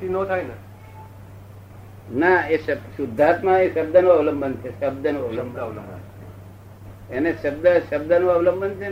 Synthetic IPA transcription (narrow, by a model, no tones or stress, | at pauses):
inõt̪ʰaine | naeʃəsud̪ʱːat̪mãeʃəb̚d̪ʱənoəʋləmbənt͡ʃʰeʃəb̚d̪ʱənuəʋləmbləmbə̰nt͡ʃʰḛ | eneʃəb̚d̪əʃəb̚d̪ʱənuaʋləmbʱənt͡ʃʰe